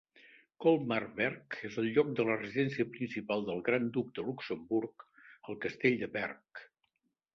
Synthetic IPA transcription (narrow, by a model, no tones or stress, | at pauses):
kɔlˠmarβɛɾkezəlˠʎɔk̚d̪ələrəziðɛnsiəpɾinsipalˠd̪əlˠɣɾand̪uk̚d̪əluksəmbuɾkəlˠkəst̪eʎd̪əβɛrk̚